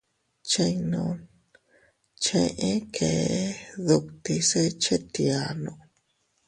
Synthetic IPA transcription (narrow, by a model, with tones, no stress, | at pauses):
t͡ʃe˧jnõ˧n | t͡ʃẽ˧ʔẽ˦kʰe˨˦ðu˧k̚t̪i˧se˦t͡ʃe˦t̪i˧a˧nõ˧